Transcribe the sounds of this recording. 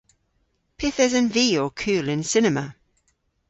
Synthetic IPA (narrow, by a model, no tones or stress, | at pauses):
pʰɪθɛzə̃nviːəkʰʉːlɪ̃nsɪnəmə